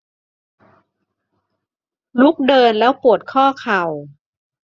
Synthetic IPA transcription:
lu˦˥k̚dɤː˧nlɛː˦˥wpu˨˩ət̪̚kʰɔː˥˩kʰa˨˩w

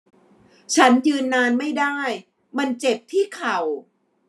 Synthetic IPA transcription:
t͡ɕʰa˦˥njɯː˧nːaː˧nma˥˩jdaː˥˩j | ma˧nt͡ɕe˨˩p̚t̪ʰiː˥˩kʰa˨˩w

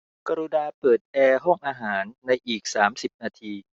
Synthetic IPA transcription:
ka˧ɾuː˧naː˧pɤː˨˩t̪̚ʔɛː˧ɦɔ˥˩ŋʔaː˧ɦaː˩˦nːa˧jʔiː˨˩k̚saː˩˦msi˨˩p̚naː˧t̪ʰiː˧

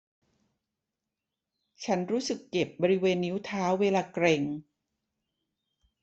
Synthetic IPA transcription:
t͡ɕʰa˦˥nɾuː˦˥sɯ˨˩kːe˨˩p̚bɔː˧ɾi˦˥weː˧nːi˦˥wt̪ʰaː˦˥wːeː˧laː˧kɾe˧ŋ

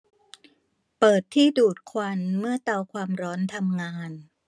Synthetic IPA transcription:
pɤː˨˩t̪ʰːiː˥˩duː˨˩t̪̚kʰwa˧nmɯ˥˩ɐt̪a˧wkʰwaː˧mɾɔː˦˥nt̪ʰa˧mŋaː˧n

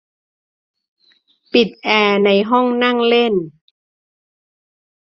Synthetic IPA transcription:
pi˨˩t̪̚ʔɛː˧na˧jɦɔ˥˩ŋna˥˩ŋle˥˩n

